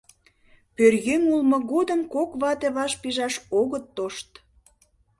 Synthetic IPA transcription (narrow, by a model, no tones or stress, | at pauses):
pørjøŋulmɤ̆ɣod̪ə̆mkokβɑt̪eβɑʃpiʒɑʃoɣət̪ːoʃt̪